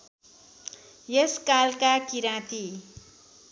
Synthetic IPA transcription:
jeskalkakiɾãt̪i

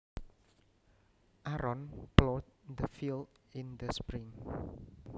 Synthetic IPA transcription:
ʔaɾɔnplɔdd̪əfildind̪əspɾiŋ

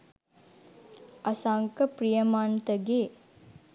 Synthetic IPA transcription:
ʔɐsaŋkəprijəmant̪əɡeː

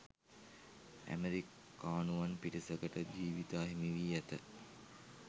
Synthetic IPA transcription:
æ̰meɾikː | aːnuʋanpiʈisəkəʈəd͡ʑiːʋit̪aːɦimiʋiːæt̪ə

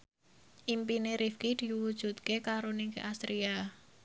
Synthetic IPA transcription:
ʔimpineɾʔifkid̪̥i̤wud̥ʒ̥ṳt̪̚kekaɾoniŋkeʔast̪ɾia

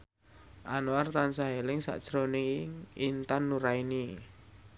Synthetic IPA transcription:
ʔanwart̪ansaɦelɪŋsa̰ʔd̥ʒ̥ɾonɪŋŋint̪anːuɾaini

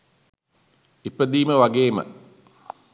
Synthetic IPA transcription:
ipɾəd̪iːməʋaɡeːmə̰

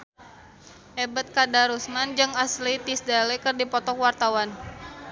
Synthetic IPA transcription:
ʔɛbət̪̚kadaɾusmand͡ʒɨŋaslit̪isdalekərdipɔt̪ɔkwart̪awan

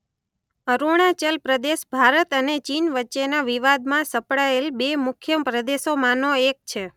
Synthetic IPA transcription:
əɾuɽ̃at͡ʃəlpɾəd̪eʃbʱaɾət̪ənet͡ʃinʋətːʃenaʋiʋad̪mãsəpɽaelbemʊkʰjəpɾəd̪eʃomãnoek̚t͡ʃʰe

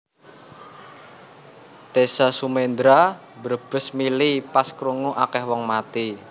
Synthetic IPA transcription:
t̪esasumend̪ɾa | bəɾb̥ə̤smilipaskɾuŋuʔakɛhwɔŋmat̪i

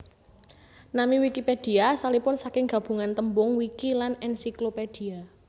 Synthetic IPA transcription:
namiwikiped̥i̤asalipʊnsakɪŋɡ̥a̤b̥ṳŋant̪əmbʊŋwikilanɛnsikloped̥i̤a

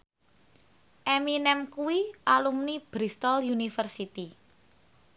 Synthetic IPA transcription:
ʔɛminɛmkuwiʔalumnib̥ɾist̪ɔljunifərsit̪i

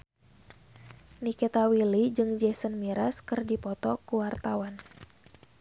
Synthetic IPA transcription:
nikɛt̪awilid͡ʒɨŋd͡ʒɛsənmiɾaskɨrdipɔt̪ɔkuwart̪awan

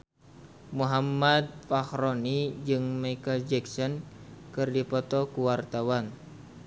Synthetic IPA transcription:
muɦamad̪̚fahɾɔnid͡ʒɨŋmajkəld͡ʒɛksɔnkɨrdipɔt̪ɔkuwart̪awan

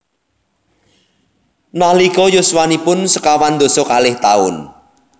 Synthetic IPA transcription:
nahlikɔjʊswanipʊnsəkawand̪o̤sɔkalɪht̪a̰ʊ̰n

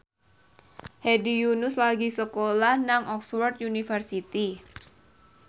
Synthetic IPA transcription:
hedijunʊslaɡisəkolahnaŋɔkswɔrt̪̚junifərsit̪i

